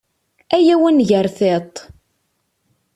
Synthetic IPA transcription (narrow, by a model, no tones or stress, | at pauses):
æjæwænʝəɾθet̪ˤ